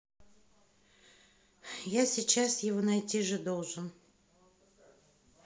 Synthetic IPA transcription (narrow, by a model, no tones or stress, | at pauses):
jasʲit͡ɕasjɪvonajtʲiʐɨd̪o̞lˠʐɨn